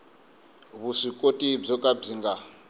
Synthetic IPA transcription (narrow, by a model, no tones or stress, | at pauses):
βuʂikʼotʼib͡ʐɔkʼab͡ʐiŋɡa